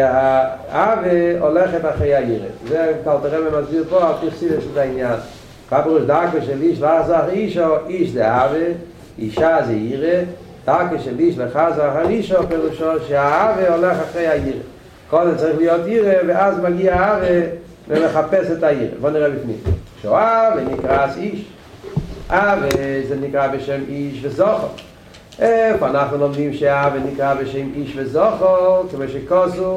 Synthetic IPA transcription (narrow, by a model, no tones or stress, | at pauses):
a | avəɔlɛχətaχɾeɪaiːʁə̰zeːɡtalˠtaʁɛbəmazbiːbɔatiχsivət͡sɪzaɪnjan | fapəʁuːʃdɪakəʃɛliʃlazaχiʃɔɪʃdɪavə | iʃazeiːʁə | d̥akəʃeliʃlˠɛχazaχaiʃɔpɛʁuːʃɔʃɪaavəɔlɛχaχʁeɪajiːʁə̰ | kɔdɛt͡sʁiχlˠɪjɔtiːʁəvɪazmaɡiaaavə | vɪməχapɛsɛtaiːʁə̰vɔnɛʁɛbɪfnḭmʃoavenikʁasiʃ | avezenɪkʁabɪʃeɪmiʃvɪzɔχəlˠ | ɛfanaχnɪlɔmdimʃeaavenɪkʁabɪʃeɪmiʃvɪzɔχəlˠkɪmoɪʃekɔsu